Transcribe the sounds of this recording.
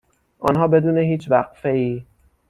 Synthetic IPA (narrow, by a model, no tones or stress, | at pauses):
ʔɒ̰nɦɒːbe̞d̪uːneɦiːt͡ʃʰvæɢ̥feiː